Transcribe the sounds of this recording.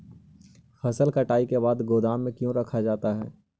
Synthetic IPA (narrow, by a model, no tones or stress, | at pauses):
xɐsəlkɐʈaːikebaːd̪ɡoːd̪aːmːẽkjõɾɐkʰad͡ʒaːt̪aɦɛː